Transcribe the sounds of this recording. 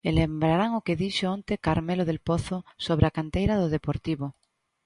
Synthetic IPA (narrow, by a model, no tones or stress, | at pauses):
elembɾaɾaŋokeðiʃeõnt̪ekaɾmeloðelpoθosoβ̞ɾeakant̪ejɾaðoðepoɾt̪iβo